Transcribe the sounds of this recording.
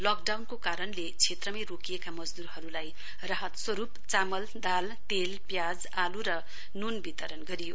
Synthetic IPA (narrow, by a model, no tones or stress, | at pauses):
lʌkɖawnkokaɾʌnlet͡sʰet̪rʌmajrokijekamʌd͡zd̪urhʌɾulaj | rʌɦʌt̪swʌɾupt͡samʌld̪al | t̪elpjad͡z | aluɾʌ | nunbit̪ʌɾʌnɡʌɾijo